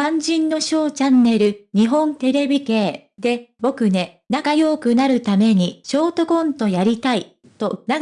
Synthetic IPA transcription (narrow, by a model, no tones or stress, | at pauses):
ãɲ̟d͡ʑĩnːo̞ɕo̞ːt͡ɕãnːe̞ɾɯ̟ɲ̟iɦõ̞nt̪e̞ɾe̞bʲike̞ː | d̪e̞bo̞kɯ̟ne̞ | nakajo̞ːkɯ̟naɾɯ̟t̪ame̞ɲ̟iɕo̞ːt̪o̞ɡõ̞nt̪o̞jaɾʲit̪ai | t̪o̞na